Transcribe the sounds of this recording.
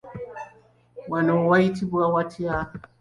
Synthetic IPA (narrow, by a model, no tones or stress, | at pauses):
wanaɔwaitibuawatʰia